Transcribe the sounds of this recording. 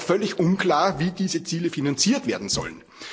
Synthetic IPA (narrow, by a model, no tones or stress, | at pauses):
fœlɪçʔʊ̃nkʰl̥aːɐviːdiːzət͡siːləfinant͡siːɐtv̥eːɐdn̩z̥ɔ̰lən